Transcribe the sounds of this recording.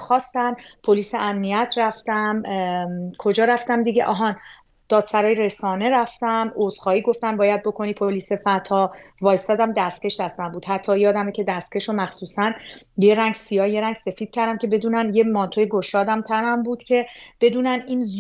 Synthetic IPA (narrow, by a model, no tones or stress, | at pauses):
xɒːst̪æmpʰo̞liːseʔæmnijæt̪ʰræft̪æm | kʰo̞d͡ʒɒːɾæft̪æmd̪iɟeʔɒ̰ːɦɒːn | d̪̥ɒːd̪̥sæɾɒːjeɾe̞sɒːne̞ɾæft̪æmoz̥xɒːiːɡo̞ft̪æmbɒːjæd̪̚bo̞kʰo̞niːpʰoliːsefæt̪ʰɒːvɒːjsæd̪æmd̪æst̪cʰʲe̞ʃd̪æst̪æmbuːd̪ɦæt̪ʰːɒːjeɒːd̪æmecʰe̞d̪æst̪̚cʰe̞ʃomæxsuːsænje̞ɾæŋɟsijɒːje̞ɾæŋɡse̞fiːd̪̥̚cʰæɾd̪æmcʰe̞be̞d̪uːnænjemɒnt̪ʰojeɡo̞ʃɒːd̪æmt̪ʰænæmbuːd̪̥cʰe̞b̥e̞d̪uːnæniːnz